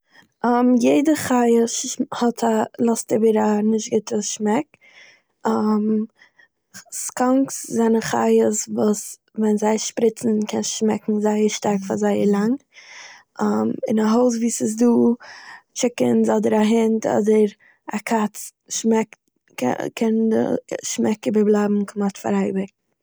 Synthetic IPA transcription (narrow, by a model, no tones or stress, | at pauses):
ɔmjeɪdəχaɪəshɔtʰalˠɔstɪbəɾanɪʃtɡɪtəʃmɛk̚ | ɔm | skɔŋkszanəχa̰ɪəsvuːs | vɛnzaɪʃpɾɪt͡sn̩kʰɛnʃmɛkŋ̩zaɪəɾʃtaɾkfazaɪəɾlˠaŋ | ɔmɪ̰naɦoʊs̬viːsɪs̬duː | t͡ʃɪkəns̬ɔdəɾaɦɪntʰɔ̰dəɾ | akʰat͡s | ʃmɛkt | kʰɛndə̰ʃmɛkɪbəblˠabm̩kʰʊmatfa̰ɾaɪbɪk̚